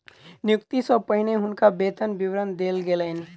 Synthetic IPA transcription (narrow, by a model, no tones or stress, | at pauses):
njʊkt̪isɔpəɦɪneɦʊnkabeːt̪ənbɪwɾənd̪eːlɡeleːn